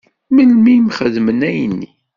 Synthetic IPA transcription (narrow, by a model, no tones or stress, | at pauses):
məlmimχəðmənæjnːi